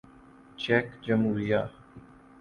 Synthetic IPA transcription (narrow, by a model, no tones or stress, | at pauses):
t͡ʃɛːkd͡ʒəmɦuːɾijaː